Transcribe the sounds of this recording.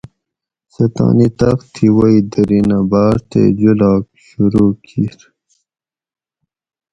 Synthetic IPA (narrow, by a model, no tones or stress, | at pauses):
sɐt̪ɑ̰ːnit̪ɐxt̪ʰiwaid̪əɾinabaːɾt̪ḛd͡ʑulɑːk̚ɕuɾuːkʰiɾ